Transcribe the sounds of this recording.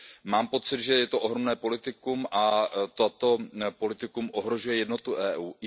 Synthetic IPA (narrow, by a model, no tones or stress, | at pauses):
maːmpo̞t͡sɪd̪ʒɛjɛt̪oʔoɦɾomnɛːpo̞lɪt̪ɪkumʔat̪ot̪opo̞lɪt̪ɪkumʔo̞ɦɾoʒujɛjɛdno̞t̪uʔɛːʔuːʔɪ